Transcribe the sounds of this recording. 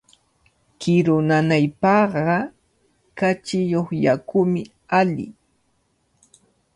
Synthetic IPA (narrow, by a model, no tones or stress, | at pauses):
kɪɾʊnanajpɑɢɑ | kat͡ʃɪjoχjakʊmɪ | alɪ̰